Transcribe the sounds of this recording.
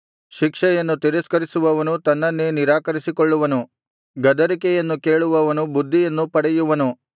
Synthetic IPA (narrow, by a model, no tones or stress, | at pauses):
ʃikʂɛjɐnːut̪iɾɐskɐɾisuʋɐʋɐnut̪ɐnːɐnːeniɾaːkɐɾisikoɭːuʋɐnu | ɡɐd̪ɐɾikɛjɐnːuke̞ːɭuʋɐʋɐnubud̪ʱːijɐnːupɐɽɛjuʋɐnu